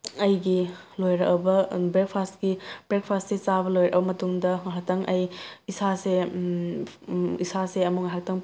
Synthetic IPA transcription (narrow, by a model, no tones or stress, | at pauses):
ɐjɡilojɾɐkbɐbek̚pʰastɡib̥ɾek̚pʰastset͡ʃabɐlojɾɐ̰ʔbɐmɐtuŋdɐŋɦak̚tɐŋʔɐjisase | isaseɐmukŋaɦak̚tɐŋ